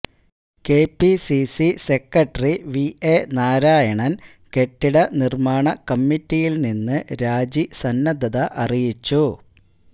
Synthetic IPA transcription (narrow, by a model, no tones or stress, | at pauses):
ke̞ːpːisisise̞kːɐʈɐriʋienaːɾaːjɐɳɐn | ke̞ʈːiɽɐnirmaːɳɐkɐmːitːijilninːɨɾaːd͡ʑisɐnːɐd̪ɐðɐʔɐrijit͡ɕːu